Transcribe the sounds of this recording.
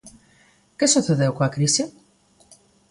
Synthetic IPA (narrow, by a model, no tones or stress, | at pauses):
kesuθeðewkoɐkɾise